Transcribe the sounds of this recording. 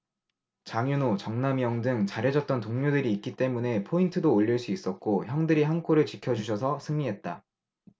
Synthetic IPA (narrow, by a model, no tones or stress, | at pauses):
t͡ɕaŋjunot͡ɕʌŋnamjʌŋdɯŋt͡ɕaɾjed͡ʑʌt̚t͈ʌntoŋɲudɯɾiːk͈̚it͈e̞mune̞pʰointʰɯdoːʎːiɭs͈uis͈ʌt̚k͈oçjʌŋdɯɾiɦankʰoɾɯɭt͡ɕikʰjʌd͡ʑuɕʰʌs̬ʰʌsʰɯŋɲiɦe̞t̚t͈a̰